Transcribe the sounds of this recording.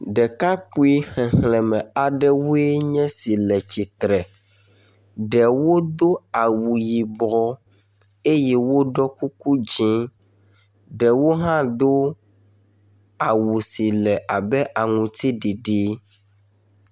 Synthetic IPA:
ɖɛ˨ka˦k͡pu˦i˦xɛ̃˨hlɛ̃˨mɛ̃˨a˨ɖɛ˦wu˦e˦ɲɛ̃˦si˨lɛ˨t͡ɕi˨t̪ɾɛ˨ | ɖɛ˨wo˦d̪o˦a˨wu˨ji˨bɔ˦ | e˦jɛ˦wo˦ɖɔ˦ku˦ku˦d͡ʒĩ˦ | ɖɛ˨wo˦ɦã˦d̪o˦ | a˨wu˨si˨lɛ˨ʔa˨bɛ˦ʔa˨ŋũ˨t̪i˦ɖi˨ɖi˦

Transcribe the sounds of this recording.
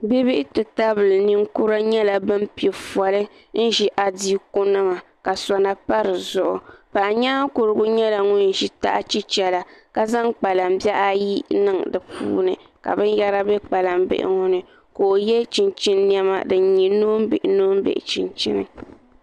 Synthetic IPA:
bi˦bi˦ʔɪ˦tɨ˨ta˦βɨ˨lɨ˨ni˦ŋ˦ku˦ɾa˦ɲɛ˦la˨bɨ˦m˦pi˨ɛ˨fa˨lɨ˦ | n̩˦ʒi˦ʔa˨diː˦kʊ˦nɨ˦ma˨ | ka˨sa˨na˨pa˦ɾɨ˨zʊ˦ʔʊ̰˨pa˨ʔɲa˦kʊ˨ɾɨ˦ɡʊ˦ɲɛ˦la˨ŋu˦n˨ʒi˦ta̰˦ʔa˦t͡ʃi˦t͡ʃɛ˨la˨ka˨za˦ŋk͡pa˨la˨m̩˦bjɛ˦ʔa˦ji˦nɨ˦ŋdɨ˨pṵː˦nɨ̰˨ka̰˨bɨ˦nja˦ɾa˦bɛ˦k͡pa˨la˨mbɪ̰˦ʔɪ̰˨ŋu˦nɨ˨ | koː˨jɛ˦t͡ʃi˨nt͡ʃi˦nː˦i˦ɛ˦ma̰˨dɨ˨˦ɲi˨noː˦m̩˦bɪ̰˨ʔɪ˨˦noː˦m˦bḛ˨ʔɪ̰˨t͡ʃi˨nt͡ʃi˦nɨ̰˨

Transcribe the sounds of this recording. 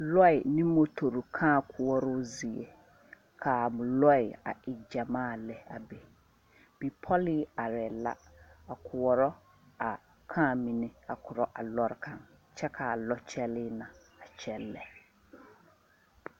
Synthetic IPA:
lɔ˦ɪ˨nɪ̃˦mo˨tʰo˨ɾu˨kʰã˦˨kʰʊ˨wɔ˦ɾʊ˦zi˨ḛ˨ | kʰa˨mʊ̃˨lɔ˦ɪ˨a̰˨ɪ˨d͡ʑa˨mãː˦˨lɛ˨a˨be˨ | b̥i˨pʰɔ˦lɪ˦a˨ɾɛ˨la̰˦a˨kʰʊ˨wɔ˨ɾɔ˦ | a˨ | kʰã˦˨mĩ˨nɪ̃˦a˨kʰʊ˨ɾɔ˨ʔa˨lɔ˦ɾkʰã˦nt͡ɕʰɛ˦kʰa˨lɔ˦t͡ɕʰɛ˦lɪ˦nã˨ | a˨t͡ɕʰɛ˦lːɛ̰˨

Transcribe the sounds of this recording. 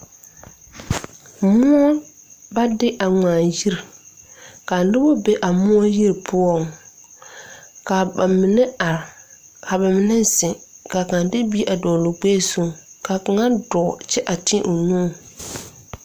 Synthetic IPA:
mʊ˦ɔ˦ | ba˦dɪ˦ʔa˨ŋaː˨ji˦ɾ | ka˨lɪ˦bo˦be˨ʔa˨mʊ˦ɔ˦ji˦ɾpʰʊ˦ɔ˦˨ŋ | ka˨ba˨mɪ˨nɛ˦a˨ɾ | kʰa˨ba˨mɪ˨nɛ˦sɪ̃˨ka˨kã˨dɪ˦bi˦ʔa˨dɔː˨lo˨k͡peː˦˨so˦ŋka˨ka˨ŋa˦dɔ˨t͡ʃɛ˦ʔa˨tɪ̃˦ʔo˨nũː˦˨

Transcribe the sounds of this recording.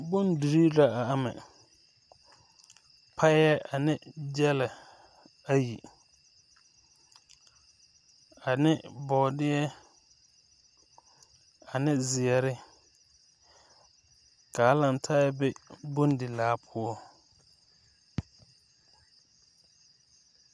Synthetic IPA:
bʊ˦ndu˨ɾi˦la˨a˨a˦mɛ̰̃˨ | pʰa˦ɛ˦ʔa˨nɪ̃˦d͡ʒɛ˦lɛ˨ | a˨ji˨ | a˨nɪ̃˦bɔ˨dɪ˦ɛ˦ | a˨nɪ̃˦zɪ˨ɛ˨ɾɪ˦ | ka˨a˦lã˨n˨tʰaː˦jɛ˦bɛ˦bʊ˦n˦dɪ˨laː˨˦pʰʊ˦ɔ˦

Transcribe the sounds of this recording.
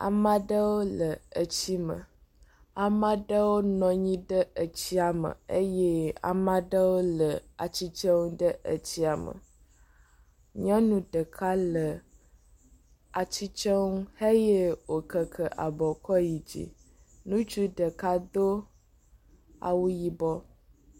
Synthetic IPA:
a̰˨mã˦ɖə˦wo˦lə˨ə˨t͡ɕi˦mə̰˨ | a˨mã˦ɖə˦wo˦nɔ̃˨ɲĩ˦ɖə˦ə˨t͡ɕi˦a˨mə̰˨ə˦je˦a̰˨mã˦ɖə˦wo˦lə˨a˨t͡ɕi˦t͡ʃə˦ŋũ˦ɖə˦ʔə˨t͡ɕi˦a˨mə̰˨ | ɲã˦nũ˨ɖə˨kʰa˦lə˨ | a˨t͡ɕi˦t͡ʃə˦wu˦hə˦je˦wo˨kə˨kʰə˨ʔa˨bɔ˨kʰɔ˦ji˨d͡ʑḭ˨ | nũ˦t͡ʃu˦ɖə˨ka˦d̪o˦ | a̰˨wu˦ji˦bɔ˦

